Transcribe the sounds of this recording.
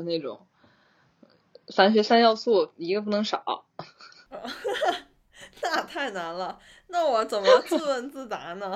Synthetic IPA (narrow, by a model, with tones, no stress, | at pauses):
ne˥˩ɪʈ͡ʂʊ̰˨˩˦ŋ | sa˥nɕ̬ɥɛ˧˥sa˥njɑ˥˧ʊt͡sɔ˥˩i˧˥ɡə˧p̬u˥˩nɤ˧˥ŋʂɑ˨˩˦ɐ̰˦˧˩ | na˥˧t̪ʰa˥˩ɪna˧˥nlə˧ | na˥˩wɔ˨˧˥t͡sə˨˩nmə˦jʊt͡sɹ̩˥˧wə˥˧nt͡sɹ̩˥˩t͡sa˧˥nə˧